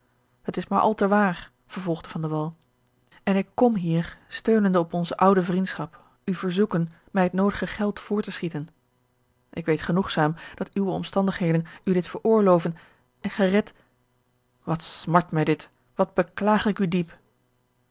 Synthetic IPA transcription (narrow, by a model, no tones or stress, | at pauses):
hətɪsmaːɹʔɑ̰lˠtəʋaːɹ | v̥əɹvɔlˠχdəvɑndəʋɑlˠ | ɛnɪkːɔmɦiːɹstøɥnəndəɔpɔnzəʔʌwdəvrintsχɑp | yvəɹzukən | mɛjɦətnowdəχəχɛlˠtfʊːɹtəsχitən | ʔɪkʋejtχənuχsaːmd̥ɑtywəɔ̰mstɑndəχɦejdənydɪtfəɹʊːɹlowvən | ɛnχərɛt | ʋɑtsmɑɹtmɛjdɪt | ʋɑd̚bəklaːχɪkydip